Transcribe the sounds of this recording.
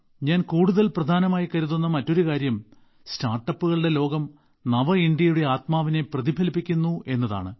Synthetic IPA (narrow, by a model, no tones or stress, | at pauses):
ɲaːnkuːɽuðɐlprɐd̪ʱaːnɐmaːjikɐɾuðunːɐmɐtːo̞ɾukaːɾjɐm | staːrʈːɐpːuɣɐɭɨɽe̞lo̞ːɡɐm | nɐʋɐiɳɖjɐjuɽe̞aːt̪maːʋine̞prɐðibʱɐlipːikʲːunːue̞nːɐða̰ːɳɨ